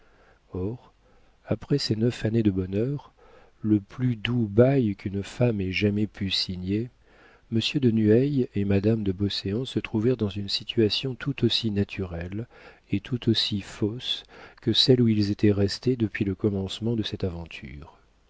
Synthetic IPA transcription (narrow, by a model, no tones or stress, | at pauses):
ɔʁ | apχɛsɛnœfaned̪əbɔnœʁ | ləplyd̪ubajkʰynfamɛʒamɛpʰysiɲe | məsjød̪ənyɛjemad̪amd̪əbɔseɑ̃sət̪χuvɛʁd̪ɑ̃zynsit̪ʰyasjɔ̃t̪ʰut̪osinat̪ʰyʁɛl | et̪ʰut̪osifoskəsɛluilzet̪ɛʁɛst̪ed̪əpɥiləkɔmɑ̃smɑ̃d̪əsɛt̪avɑ̃t̪ʰy̰ʁ